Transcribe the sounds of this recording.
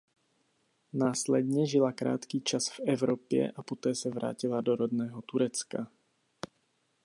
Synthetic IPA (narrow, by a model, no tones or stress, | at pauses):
naːslɛd̪ɲɛʒilakɾa̰ːt̪kiːt͡ʃasv̥ɛvɾɔpjɛ̰ʔapɔt̪ɛːsavɾa̰ːcilad̪ɔɾɔd̪nɛːɦɔt̪uɾɛt͡ska